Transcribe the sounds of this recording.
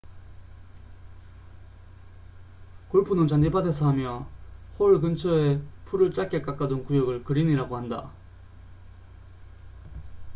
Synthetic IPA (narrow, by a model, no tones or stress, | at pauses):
koɭpʰunɯnt͡ɕʌnipʰadesʰʌɦamjʌɸoɯɭk̬ɯnt͡ɕʰʌepʰuɾɯɭt͡ɕ͈ak͈ek͈ak͈adɯnkujʌɡɯɭkɯɾiniɾaɡohanda̰